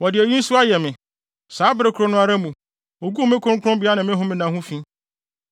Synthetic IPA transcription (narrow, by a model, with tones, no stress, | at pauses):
wɔ˨dɪ˨ɛ˨ji˦n̩˦su˦a˦jɛ˨mɪ̃˨ | saː˨˦bɪ˦ɾɪ˦kʰʊ˨ɾo˨˦nʊ̃˦a˨ɾa˦mũ˨ | o˨ɡu˦˨mɪ̃˦kʰʊ̃˦ŋ̩˦kʰʊ̃˦bɪ˨˦a˦nɪ̃˨mɪ̃˦ɦʊ̃˦mɪ̃˦nã˨hʊ̃˦fĩ˦